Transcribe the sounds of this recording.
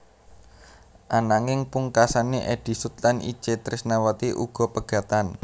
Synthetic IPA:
ʔanaŋɪŋpuŋkasaneʔed̥i̤sut̪lanḭ̥t͡ʃet̪ɾɪsnawat̪iʔuɡ̥ɔ̤pəɡ̥ä̤t̪an

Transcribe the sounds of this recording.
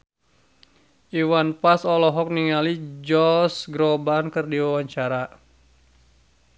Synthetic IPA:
ʔiwanpasɔlɔɦɔk̚niŋalid͡ʒɔsɡɾɔbankɨrdiwawaɲt͡ʃaɾa

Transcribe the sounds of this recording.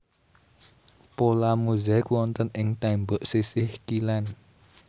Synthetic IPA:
polamuzaɪkwɔnt̪ənɪŋt̪ɛmbʊʔsisɪhkilɛn

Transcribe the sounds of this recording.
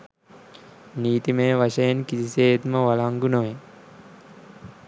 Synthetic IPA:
niːt̪imeːʋaʃɐjenkisiseːet̪məʋalaŋɡunoʋe

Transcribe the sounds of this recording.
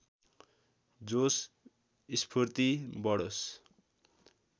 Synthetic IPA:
d͡zos | ispʰort̪ibʌɽos

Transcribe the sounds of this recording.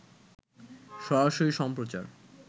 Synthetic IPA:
ʃɔɾaʃoɾiʃɔmpɾot͡ɕaɾ

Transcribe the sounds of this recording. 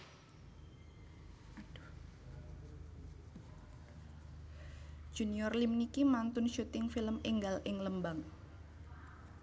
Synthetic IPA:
ad | ʒ̥ṳniɔrlimnikimant̪ʊnʃut̪ɪŋfiləmɪŋɡalʔɪŋləmbaŋ

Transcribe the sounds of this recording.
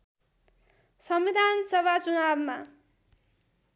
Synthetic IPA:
sʌmbid̪ʱansʌwat͡sunabma

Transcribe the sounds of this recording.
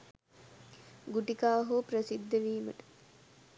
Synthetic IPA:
ɡuʈikaːɦopɾəsid̪ːəʋiːməʈə̥

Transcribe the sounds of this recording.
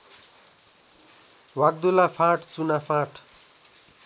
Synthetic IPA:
wak̚d̪ulapʰaʈt͡sunapʰãʈʰ

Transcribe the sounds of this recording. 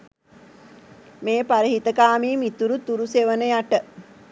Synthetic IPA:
meːpaɾiɦit̪əkaːmiːmit̪uɾut̪uɾuseʋənəjaʈə

